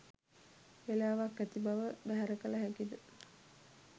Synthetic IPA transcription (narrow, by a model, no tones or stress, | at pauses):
elaːʋakːæt̪ibaʋəbæɦæɾəkələɦækid̪ə